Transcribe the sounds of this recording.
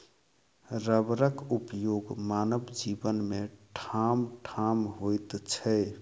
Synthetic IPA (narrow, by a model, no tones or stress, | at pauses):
ɾəbɾəkupjoɡmanəbd͡ʒibənmeʈʰamʈʰamɦojt̪t͡ʃʰə